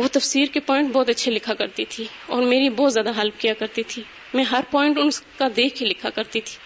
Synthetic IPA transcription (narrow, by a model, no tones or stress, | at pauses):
ʋoːt̪ɐfsiːɾkepɔːɪ̃ɳʈbɔːt̪ɐtːʃʰelɪkʰakɐɾt̪it̪ʰi | ɔːɾmeːɾibɔːt̪zjaːd̪aɦɐlpkijakɐɾt̪it̪ʰi | mɛ̃ɦɐɾpɔːɪ̃ɳʈʊnskad̪eːkʰkelɪkʰakɐɾt̪it̪ʰi̥ː